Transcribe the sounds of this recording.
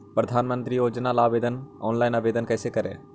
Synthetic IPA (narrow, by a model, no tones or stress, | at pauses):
pɾəd̪ʱaːnmə̃nt̪ɾijoːd͡ʒnalaːʋeːd̪ənɔːnlaːɪnaːʋeːd̪ənkɛːsekɐɾḛː